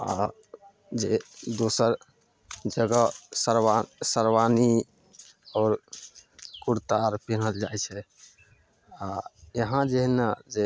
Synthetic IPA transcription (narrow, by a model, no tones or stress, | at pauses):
a̰ | d͡ʒed̪osəɾ | d͡ʒəɡəsəɾwasəɾʋani | ɔːɾ | kuɾt̪aɾpinəld͡ʒajt͡ʃʰɛ | ajəɦãd͡ʒeɦnad͡ʒe